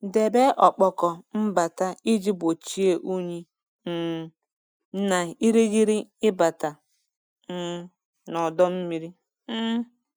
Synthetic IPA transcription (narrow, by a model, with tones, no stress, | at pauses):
de˨be˦ʔɔ˨k͡pɔ˨kɔ˨m̩˦ba˨ta˦i˦d͡ʒi˦bo˨t͡ʃi˦e˦ʔu˦ɲi˦˨ | na˨i˦ɾi˦ɡi˦ɾi˦ɪ˦ba˨ta˨ | n̩˦ | nɔ˨dɔ˦m̩˦mi˦ɾi˦